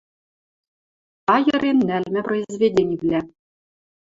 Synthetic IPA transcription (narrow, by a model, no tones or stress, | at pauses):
ɑjɤ̆ɾʲinːælʲmʲɘ̆proizʲvʲedʲenʲivʲlʲæ